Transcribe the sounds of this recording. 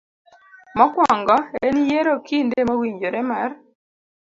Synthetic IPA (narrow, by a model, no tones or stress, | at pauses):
mɔkwɔŋɡɔenijeɾokindemowiɲd͡ʒoɾɛmar